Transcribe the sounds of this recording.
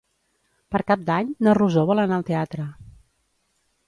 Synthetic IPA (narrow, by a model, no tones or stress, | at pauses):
pəɾkap̚d̪aɲnəruzoβɔlˠənaəlˠt̪eat̪ɾə